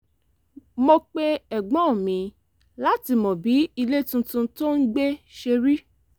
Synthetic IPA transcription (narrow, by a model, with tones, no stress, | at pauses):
mo˧k͡pe˦ɛ˨ɡ͡bɔ̃˨˦˨mĩ˨˦ | la˦ti˧˨mɔ̃˨bi˨˦i˧le˦tũ˧tũ˧to˦n̩˦ɡ͡be˦ʃe˧ɾi˦